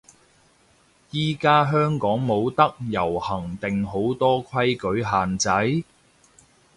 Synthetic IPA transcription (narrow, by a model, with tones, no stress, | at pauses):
jiː˥˩kaː˥ɦœː˥ŋkɔː˨˥ŋmo˨˧wt̪ɐ˥k̚jɐ˨˩whɐ˨˩ŋt̪ɪ˨ŋɦo˨˥wt̪ɔː˥kʷʰɐ˥jkɵ˨˥ɥɦaː˨nt͡sɐ˨˥j